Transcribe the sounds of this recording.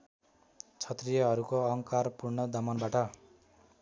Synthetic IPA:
t͡sʰʌt̪rijʌɦʌɾukoʌŋkarpurnʌd̪ʌmʌnbaʈʌ

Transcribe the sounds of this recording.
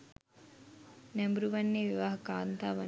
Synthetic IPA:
nɛmbuɾuʋanːeːʋiʋaːɦɐkaːnt̪aːʋa

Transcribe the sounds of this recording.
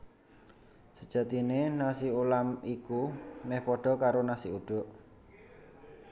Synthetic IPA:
səd̥ʒ̥ä̤t̪inenasiulamikumɛhpɔɖ̥ɔ̤kaɾonasiuɖ̥o̤ʔ

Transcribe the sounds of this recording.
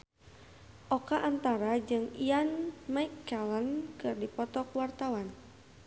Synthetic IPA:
ʔɔkaʔant̪aɾad͡ʒɨŋianmaikːɛlənkɨrdipɔt̪ɔkwart̪awan

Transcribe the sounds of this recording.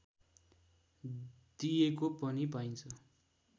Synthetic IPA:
d̪̥ijekopʌnipaj̃nt͡sʰʌ

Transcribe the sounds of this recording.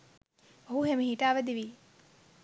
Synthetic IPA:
oɦuɦemeɦiʈaːʋəd̪iʋi

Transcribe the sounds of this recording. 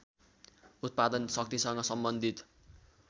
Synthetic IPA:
ut̪̚pad̪ʌnsʌk̚t̪isʌŋɡʌsʌmbʌnd̪ʱit̪

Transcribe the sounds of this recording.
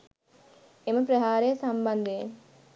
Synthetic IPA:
eməpɾəɦaːɾejəsamband̪ee

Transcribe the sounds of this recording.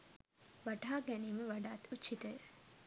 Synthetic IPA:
ʋaʈaːɡɛniːməʋaɖaːt̪utt͡ʃʰːit̪əj

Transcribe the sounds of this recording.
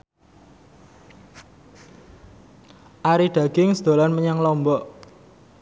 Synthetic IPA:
ʔaɾiɖ̥ä̤ɡ̥ɪŋsd̪̥o̤lanməɲaŋlɔmbɔʔ

